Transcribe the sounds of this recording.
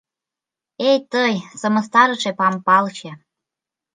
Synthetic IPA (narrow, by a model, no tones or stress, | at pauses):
ejt̪əjsəmə̆st̪ɑɾɤʃepɑmpɑlt͡ɕe